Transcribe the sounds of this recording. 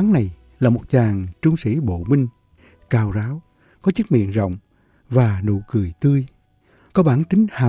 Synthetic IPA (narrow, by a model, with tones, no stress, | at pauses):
a˨˦ŋna˨˩j | laː˨˩mo˨˩t̚t͡ɕaː˨˩ŋt͡ɕʊ˧ŋ͡msḭ˧˩˦ɓo̰˧˨mï˧ŋ̟ | kaː˨˩wzaː˨˦w | kɔ˨˦t͡ɕɨ˦˥t̚mḭ˧˨ənzə̰˧˨wŋ͡m | vaː˨˩nṵ˧˨kɨ˨˩əjt̪ɨ˧əj | kɔ˨˦ɓaː˧˩nt̪ï˨˦ŋ̟haː˨